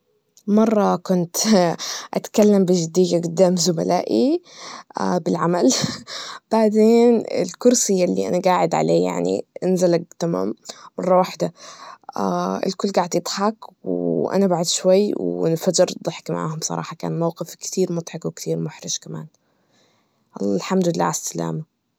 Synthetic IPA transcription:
mɑrˤːɑkʊnt̪ | ʔat̪kalːambɪʒɪd̪iːɡaɡʊd̪ːaːmzʊma̰laːʔi | abɪlʕamal | b̥aʕd̪eːnɪ̰lkʊɾsɪjːalːḭʔanaɡaːʕɪd̪ʕa̰lḛːja̰ʕnḭʔɪnzalak̚t̪ama̰ːmmɑrˤːɑwaħd̪a | aʔɪ̰lkʊlːɡaːʕd̪jɪd̪ˤħɑkwʔa̰nabaʕʊd̪ʃwajːwnfad͡ʒɪɾd̪ˤɨħɪ̥kma̰ʕa̰ːhʊmbsˤɑ̰ɾˤɑ̰ːħɑka̰ːnmawqɪfkt̪iːɾmʊt̪ˤħɑkwɪkt̪ʰiːɾmʊħɾɪʃkama̰ːn | ʔɑlˤːɑlħamd̪lɪlːa̰ːʕasːala̰ːma

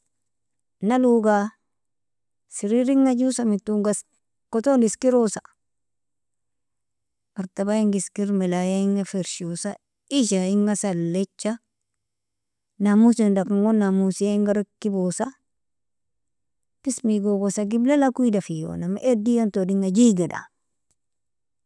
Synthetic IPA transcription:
naluɡa | siɾiɾiŋːad͡ʒusamitːuŋɡas | kotoniskiɾosa | baɾtabaiŋɡiskiɾmilajaiŋafeɾʃusa | iʃaiŋɡasalːet͡ʃːa | namusindakaŋɡonːamusiaŋɡaɾakːibosa | pismiɡoɡosaɡiblelakuidafijo̰namaʔedijantodiŋad͡ʒiɡeda̰

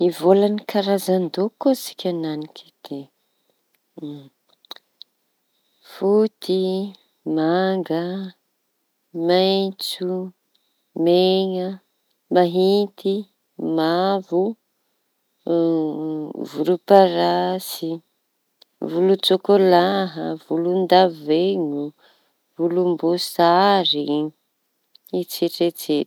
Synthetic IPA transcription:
ivolanikʰaɾazand̪okosi̥kʲananiki̥d̪̥e | fut̪i | maŋɡə | majt͡su | meŋə | maɦit̪i | mavu | vuɾupaɾasi | vulut͡sokolaɦə̰vulund̪avveɲu | vulumbosaɾi | it͡seʈ͡ʂet͡se̥

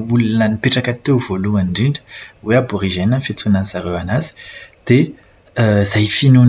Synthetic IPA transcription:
wulunanipeʈ͡ʂakat̪ːev̥olumaɳɖ͡ʐiɳɖ͡ʐə̥weaboʁiʒɛnənfet͡sunansaʁewanazə̥d̪̥e | zajfinun

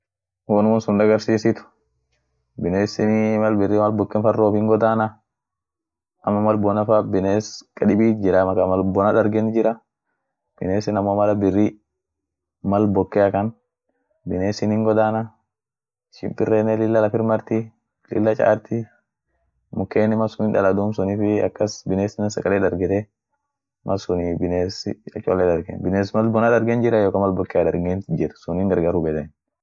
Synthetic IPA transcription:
woːnʊmʊnsʊnd̪ɐɡɐɾsiːsɪt̪ʊ̥ | bɪneːsɪnmɐlbɪrːiːmɐlbɔkːɛnfɐroːfɪŋɡɔd̪aːnɐ | ʔɐmːɐmɐlbɔnɐfabɪneːskʼɐᶑɪbiːd͡ʒɪɾɐmɐkɐmɐlbɔnɐᶑɐɾɡɛnd͡ʒɪɾɐ | b̥ɪneːsɪnɐmomɐlɐbɪrːi | mɐlbɔkːɛɐkɐn | bɪneːsɪnɪŋɡɔd̪aːnɐ | ʃɪ̰mpʼɪrːeːnɛlɪlːɐlɐfɪɾmɐɾt̪ɪ | lɪ̰lːɐt͡ʃʼa̰ːɾt̪ɪ | mʊkːeːnːɪmɐsʊnɪːnᶑɐ̰lɐd̪uːmsʊniːfɪɐ̰kːɐsbɪneːsɪnːɐnsɐkʼɐleːd̪ɐɾɡɛt̪ɛ | mʔɐsʊnibɪneːsɪ̰ɐ̰t͡ʃʼolːɛd̪ɐɾɡḛnbɪneːsmɐlbɔnad̪ɐɾɡend͡ʒɪɾɐjoːkɐmɐlbɔkːead̪ɐɾɡend͡ʒɪɾɐ̥sʊniːŋɡɐɾɡaɾubɛt̪ɛn

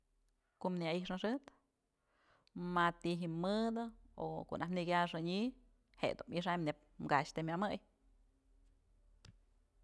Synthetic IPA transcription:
komniaiʂnaʂɨt̪ | mat̪iɦimːɨd̪ɨo̰ko̰ʔnʔahmnikʲaʂɨɲi | hḛʔd̪umiʂ̬ajmnep̚ | mɡaʃt̪emʲjamɨj

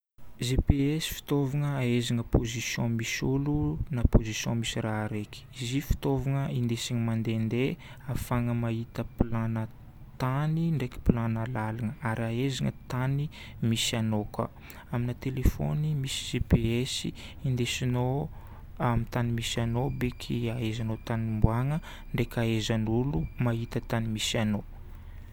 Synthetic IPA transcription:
zepeesi̥fi̥t̪ovaŋəaezaŋəpozisjɔ̰̃misulunapozisjɔ̃misiraɾeki̥izifi̥t̪ovaŋəind̪esiŋəmand̪end̪e | afaŋəmaɦit̪əplanə | t̪aniɳɖ͡ʐeki̥pilanəlalanəaɾiaezaŋə̰t̪ani | misianoka̰ | aminət̪elefo̰nimisi̥z̥ipeesiind̪esino | amit̪animisianobekʰiaezanot̪animbwaŋə | ɳɖ͡ʐekʲaezanulumaɦit̪ət̪animisiano

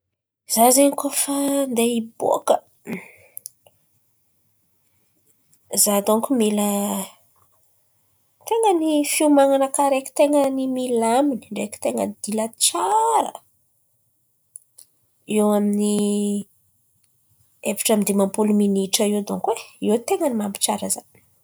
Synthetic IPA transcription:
z̥azenikofand̪eibo̰kə | zad̪oŋkumilə | t̪eŋənifiumaŋanəkaɾeki̥t̪eŋənimilaminiɳɖ͡ʐeki̥t̪eŋənd̪̥ilət͡saɾə̰ | ewamini | evi̥ʈ͡ʂamid̪imampuluminiʈ͡ʂəed̪oŋkweet̪eŋənimambi̥t͡ʃaɾəzan

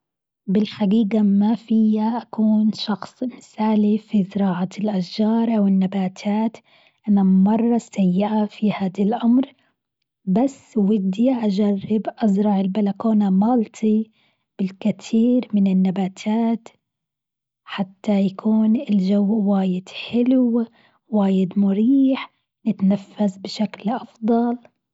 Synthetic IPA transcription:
bɪlħadiːɡamafɪjaʔakuːnʃɑxsˤmɪsaːlifizɪɾɑːʕalʔaʃd͡ʒɑːɾˤʔawɪnːabaːt̪ʰaːt̪ | ʔanamɑrˤːɑsajːɪʔafihaːd̪alʔamɾ | basːwɪd̪iʔad͡ʒarːɪbʔazɾˤɑʕɪlbalakoːnamɑːlt̪ʰi | b̥ɪlkɪt̪ʰiːɾmɪnɪnːabaːt̪ʰaːt̪ | ħat̪ːajakʰuːnɪld͡ʒawːwaːjɪd̪̥ħɪlw | waːjɪd̪mʊɾiːħ | nɪt̪nafːazbɪʃaklʔɑfd̪ˤɑl

